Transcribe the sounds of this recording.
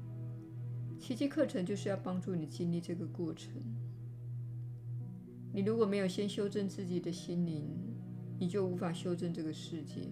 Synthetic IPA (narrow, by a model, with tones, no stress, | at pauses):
t͡ɕʰi˧˥t͡ɕʰi˥kʰɤ˥˩ʈ͡ʂʰɤ˧˥ŋt͡ɕjo˥˧ʊʂ̬ɻ̩˥˧jɑ˥˩ʊpɑ˥ŋʈ͡ʂu˥˩ni˨˩t͡ɕi˥nli˥˧ʈ͡ʂɤ˥˩ɡə˩kwɔ˥˩ʈ͡ʂʰə˧˥˦ŋ | ni˨˩ɻu˧˥kwɔ˨˩me˧˥ɪjo˨˩ɕjɛ˥nɕjo˥ʊʈ͡ʂə˥˧nt͡sɹ̩˥˩t͡ɕi˨˩d̪ə˦ɕi˥nli˧˦˥n | ni˨˩t͡ɕjo˥˩ʊu˧˥fa˨˩ɕjo˥ʊʈ͡ʂə˥˧nʈ͡ʂɤ˥˩ɡə˩ʂɻ̩˥˧t͡ɕjɛ̰˥˩